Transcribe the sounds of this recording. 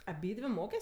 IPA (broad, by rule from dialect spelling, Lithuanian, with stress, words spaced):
ɐˈbʲiːdʲʋʲɪ ˈmoːkʲɛs